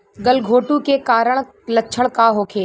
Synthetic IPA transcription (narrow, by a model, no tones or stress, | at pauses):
ɡɐlɡʱoːʈukekaːɾəɽ̃ | lɐːt͡ʃʰəɽ̃kaɦoːkʰeː